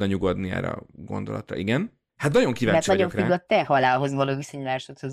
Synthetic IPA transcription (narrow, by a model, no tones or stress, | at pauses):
ɒɲuɡod̪niɛ̰ːɾɛ̰ɒ̰ɡo̞̰nd̪o̞lɒt̪rɒ̰ʔiɡɛn | hat̪nɒɟo̞ŋkiːvaːmɛrtt͡ʃnɒɟoɱkɡɒt̪ːɛhɒlaːlɦo̞zɒloːvisoɲmaːʃot̪hoz